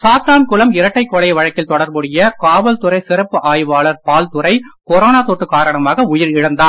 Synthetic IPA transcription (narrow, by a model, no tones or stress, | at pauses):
saːt̪aːnkʊlɐmɪɾɐʈːɐɪkːɔlɐɪʋɐɻɐkːɪlt̪ɔɽɐɾbɯɽɪjɐkaːʋɐlt̪ʊɾɐɪsɪɾɐpːɯʔaːjʋaːɭɐɾpaːlt̪ɯɾɐɪkɔɾoːnaːt̪oːʈːɯkaːɾɐɳɐmaːɣɐʊjɪɾɪɻɐnd̪aː